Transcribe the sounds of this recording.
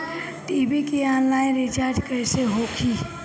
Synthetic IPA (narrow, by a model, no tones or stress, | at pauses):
ʈiːbikiaːnlaːjɾɪt͡ʃaːɾd͡ʒkəːseɦoːkʰi